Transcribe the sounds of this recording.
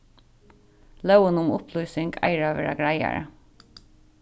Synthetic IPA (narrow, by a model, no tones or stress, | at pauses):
lœʉənʊmʊpʰlyːsɪŋɡæ̰ɪɹɑːʋeːɹɑɡɹæɪɑ̰ɹə